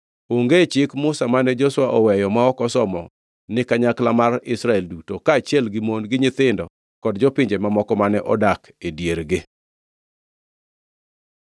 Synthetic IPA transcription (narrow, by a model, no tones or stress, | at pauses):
oŋɡet͡ʃɪkmʊsamanɛd͡ʒɔswaʔɔwɛjɔmaɔkɔsɔmɔ | nɪkaɲaklamarɪsɾaɛldutokaːt͡ʃjɛlɡɪmonɡɪɲɪt̪ɪndɔ | kɔdd͡ʒɔpɪɲd͡ʒemamɔkɔmanɛʔɔdak | edjeɾɡɪ